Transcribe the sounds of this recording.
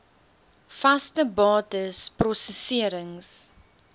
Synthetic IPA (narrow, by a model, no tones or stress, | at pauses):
fɐstəbɑːtəsprɔsəsiəɾəŋs